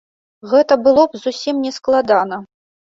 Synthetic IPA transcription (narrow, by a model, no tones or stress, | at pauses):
ɣɛt̪ɐbɨlˠɔbzusʲimnʲɛsklˠad̪anɐ